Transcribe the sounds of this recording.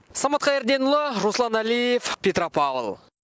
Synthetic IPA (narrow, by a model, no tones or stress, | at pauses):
sɑmɑt̪̚qɑjeɾd̪e̞nʊlˠəɾuslˠɑnælijefpʲet̪ropɑvə̰lˠ